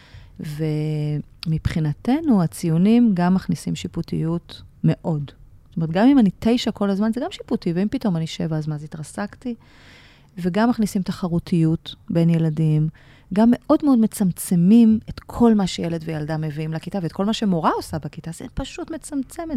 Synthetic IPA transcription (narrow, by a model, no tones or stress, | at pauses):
ve | mipχinate̞nuat͡sijunimɡamːaχnisimʃiputḭjutme̞ʔo̞dztome̞t̪̚ɡamimanite̞jʃako̞lazmanzeɡamʃiputiveimpito̞maniʃe̞vaːzmanzitʁasakti | veɡamːaχnisimtaχaʁutʰijutbe̞nje̞ladim | ɡamːe̞ʔo̞dmeo̞dmet͡samt͡se̞mimetkʰo̞lmaʃejeledvejaldame̞viimlakitavetko̞lmaʃe̞mo̞ʁao̞sabakitazḛpaʃutmet͡samt͡se̞met